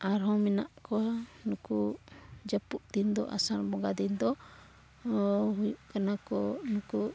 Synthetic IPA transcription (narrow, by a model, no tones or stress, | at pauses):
ʔaɾɦɔ̃mɛna̰ʔkɔanukud͡ʒapuʔd̪ind̪ɔ̰ʔa̰salbɔɡad̪ind̪ɔ | ɦujuʔkanakɔnuku